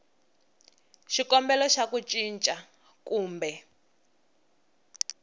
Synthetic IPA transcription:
ʃikɔmbɛlɔʃakut͡ʃʼint͡ʃʼa | kuːmbɛ

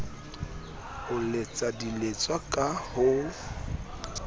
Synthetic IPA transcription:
hʊlet͡sʼadilet͡sʼwakʼahoː

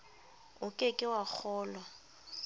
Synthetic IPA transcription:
ʊkʼekʼɪwak͡xʰɔːlwa

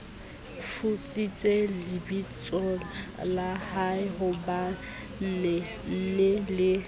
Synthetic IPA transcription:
fut͡sʼit͡sʼelɪbit͡sʼɔlalahaɪɦʊba | n̩ːnɛ | n̩nɛlɪ

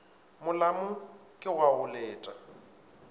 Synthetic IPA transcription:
mʊlamʊkʼɪwaʊlɛːtʼa

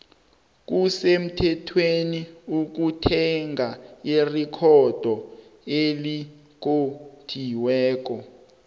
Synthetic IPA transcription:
k̬usem̩tʰɛtʰweniuk̬utʰɛŋɡʱairikʰɔd̥ʱɔeli | k̬otʰiwɛːk̬ɔ

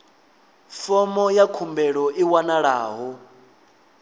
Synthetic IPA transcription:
fɔmɔjakʰumbɛɺɔʔiwanaɺaːɦɔ

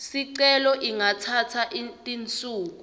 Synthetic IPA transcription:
siǀɛlɔʔiŋatʰatʰaʔitʼint͡sʼuːk̬u

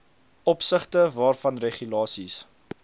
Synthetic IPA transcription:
ʔɔpsəχtəvɑːrfɐnreχylɑːsis

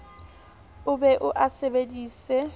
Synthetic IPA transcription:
ʊbɛʔʊʔasebediːsɛ

